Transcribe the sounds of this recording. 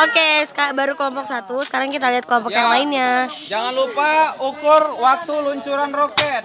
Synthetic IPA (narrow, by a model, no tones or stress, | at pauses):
okeskabaɾuklɔmpɔk̚sat̪usə̥kaɾaŋkit̪aliɦat̪̚klɔmpɔkjaŋlaɪnɲad͡ʒaŋanlupaukʊrwak̚t̪uluɲt͡ʃuɾanrokɛt̪